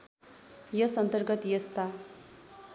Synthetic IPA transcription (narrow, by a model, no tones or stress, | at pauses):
jʌsʌnt̪ʌrɡʌt̪jʌst̪a